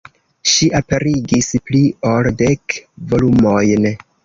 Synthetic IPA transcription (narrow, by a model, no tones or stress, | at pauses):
ʃiʔape̞ɾiɡisplio̞lde̞kvo̞lumo̞jn